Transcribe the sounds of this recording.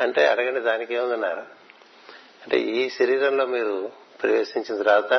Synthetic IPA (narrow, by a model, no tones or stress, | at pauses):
ɐɳʈe̞ːɐɽɐɡɐɳɖid̪aːnikeːmund̪unːaːɾa | ɐɳʈe̞̰ːiːʃɐɾiːɾɐmlo̞ːmiːɾu | pɾɐʋe̞ːʃiɲt͡ʃind̪iɾaːt̪aː